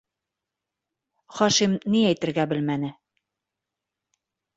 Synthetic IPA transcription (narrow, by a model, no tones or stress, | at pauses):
χɒʃimniæjt̪ɘ̆ɾɡæbɘ̆lmænɘ